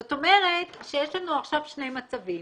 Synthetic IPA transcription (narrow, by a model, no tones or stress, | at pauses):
ot̪o̞me̞ʁe̞t̪ʃejeʃlanuaχʃavʃnejmat͡savi